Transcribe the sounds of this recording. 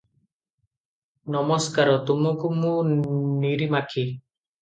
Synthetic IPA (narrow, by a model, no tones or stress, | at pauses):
nɔmɔskaɾɔt̪umukumũniɾimakʰi